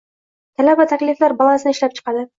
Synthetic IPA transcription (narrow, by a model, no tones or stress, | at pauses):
t̪ʰalabat̪ʰakʲlɪflaɾbɑlˠansɪnɪʃlap̚t͡ʃʰɨ̥qʰɑd̪ɪ